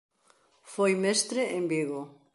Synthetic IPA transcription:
fojmest̪ɾeʔembiɣo

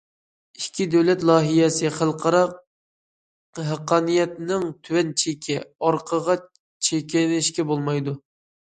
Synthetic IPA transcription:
iʃkʲʰid̪æwlɛt̪lˠɑːɦijɛsɪχəlˠqʰəɾɑq̚ | ɦæqʰɑːnijɛt̪nɪŋt̪ʰywɛnt͡ʃʰekʲʰɛɑɾqʰəʁɑ | t͡ʃʰekʲɛnɪʃkʲɛbolˠmɑjd̪u

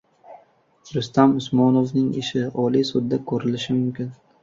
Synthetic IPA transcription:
ɾʊst̪amʊsmɒnovnɪŋɪ̰ʃɪɒlijsʊd̪ːakʰɵɾɪlɪʃɪmʊmkʲɪn

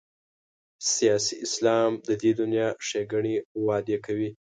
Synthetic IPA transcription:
sijɑsiʔɪslɑmd̪əd̪ed̪ʊnjɑʂeɡaɳiwɑd̪ekawi

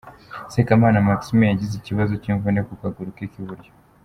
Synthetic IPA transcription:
sekamaːnamaksimejaɟizeciβazociːɱvunekukaɡuɾukeːkiβuɾjo

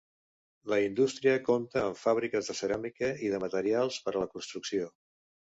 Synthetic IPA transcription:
ləind̪ust̪ɾiəkomt̪əːɱfaβ̞ɾikəzðəsəɾamikəiðəmət̪əɾialˠspəɾələkunst̪ɾuksio

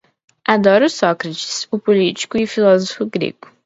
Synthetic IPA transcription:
ad̪ɔɾʊsɔkɾɐt͡ʃi̥sʊpolit͡ʃi̥kʊifilɔzofʊɡɾḛɡʊ

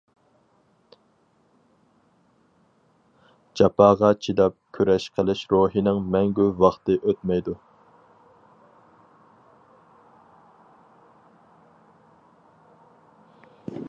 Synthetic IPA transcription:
d͡ʒɑpʰɑːʁɑt͡ʃʰid̪ɑp̚kʲʰøɾɛʃqʰəlˠɪʃɾoːɦinɪŋmɛŋɡʲyvɑχt̪ɨʔøt̪mɛjd̪u

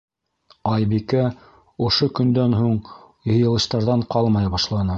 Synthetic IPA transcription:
ɑjbikæ | ŏʃokɵ̆nd̪ænɦuɴ | jɤ̆jɤ̆lˠɤ̆ɕt̪ɑɾðɑɴqɑlˠmɑjɑβɑʃlˠɑnɤ

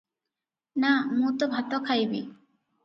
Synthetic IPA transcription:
namũt̪obʱat̪okʰajbḭ

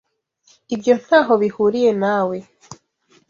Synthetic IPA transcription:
ibjo̞n̥haːɦo̞βihuɾije̞naːwe̞

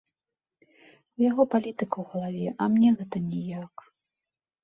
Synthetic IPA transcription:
uwjaɣɔpalʲit̪ɨkɐwɣɐlˠavʲɛʔɐmnʲɛɣɛt̪ɐnʲijak

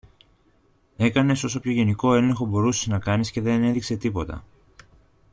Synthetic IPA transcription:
e̞kɐne̞so̞so̞pço̞ʝe̞niko̞e̞leŋxo̞bo̞ɾuseznɐkɐnisce̞ðe̞ne̞ðikse̞t̪ipo̞t̪ɐ̰

